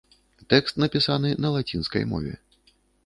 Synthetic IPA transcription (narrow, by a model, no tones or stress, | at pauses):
t̪ɛkst̪nɐpʲisanɨnɐlˠat͡sʲinskɐ̰jmɔ̰vʲɛ̰